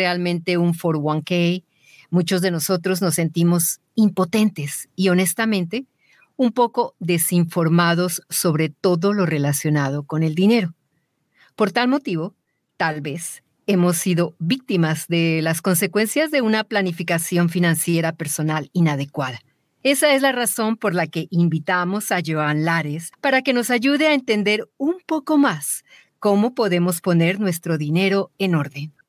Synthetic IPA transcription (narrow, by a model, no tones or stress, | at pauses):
ealmẽnt̪e̞uɱfoɾwaŋkej | mut͡ʃo̞zðe̞no̞so̞t̪ɾozno̞sːe̞nt̪imo̞s | impo̞t̪e̞nt̪e̞sio̞ne̞st̪amẽ̞nt̪e̞ | umpo̞ko̞ðesiɱfo̞ɾmaðo̞sːo̞βɾe̞t̪o̞ðolo̞re̞lasjo̞nað̞o̞ko̞ne̞ld̪ine̞ɾo̞ | po̞ɾt̪almo̞t̪iβo̞ | t̪alβes | emo̞sːiðo̞βik̚t̪imazd̪e̞lasko̞ns̬e̞kwe̞nsjazðe̞unaplanifikasjo̞ɱfinãnsje̞ɾape̞ɾso̞nalinaðe̞kwaða | e̞saezlaraso̞mpo̞ɾlake̞ʔimbit̪amo̞saʝoanlaɾespaɾake̞no̞saʝuðeaent̪e̞nd̪e̞ɾumpo̞ko̞mas | ko̞mo̞po̞ðe̞mo̞spo̞ne̞ɾnwe̞st̪ɾo̞ðine̞ɾo̞eno̞ɾðe̞n